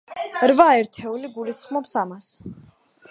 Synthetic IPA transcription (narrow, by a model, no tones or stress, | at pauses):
ɾvaɛɾt̪ʰɛuliɡulisχmɔpsamas